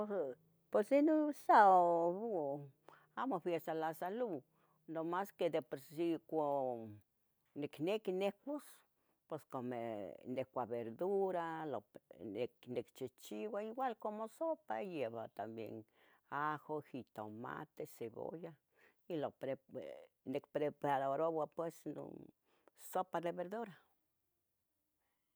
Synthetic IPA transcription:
o | pwesenosaoβu | amofjest̪alasalu | nomasked̪epoɾsiko | niknekinehkʷos | pweskomḛnehkʷaβeɾd̪uɾaloeknekt͡ʃit͡ʃiwʷaiɡwalkomosopajeβat̪ambjḛn | axohit̪aoma̰t̪eseβo̰ja | ilopɾe | nekpɾepadoɾowapwesno̰ | sopad̪eβeɾd̪uɾa

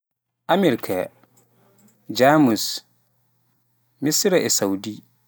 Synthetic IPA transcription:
amiɾikʰa̰ | d͡ʒamus | misɾɛʔɛsawdi

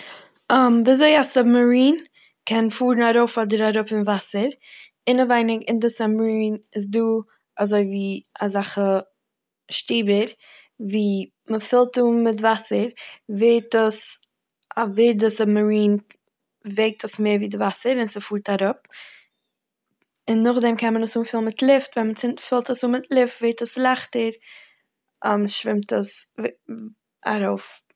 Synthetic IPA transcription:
amdizoɪasabməɾiːn | kʰɛnfuːɾnaɾoʊfɔdəɾaɾʊpɪnvasəɾ | ɪnəvaɪnɪɡɪndɪsabməɾiːnɪs̬duː | azoɪviːazaχə | ʃtiːbəɾ | viː | məfɪlˠtumɪtvasəɾveɪtəs | avedəsəməɹiːn | veɪk̚tʰəsmeːɾviːdɪvasəɾɪnsəfuːɾtaɾʊp̚ | ɪnːʊχdɛmkʰɛnmənəsuːnfɪlˠnmɪtlˠɪftvɛnmət͡sɪnfɪlˠtəsuːmɪtlˠɪftveɪtəslˠaχtəɾ | aməʃvɪmtəs | a̰ɾoʊf

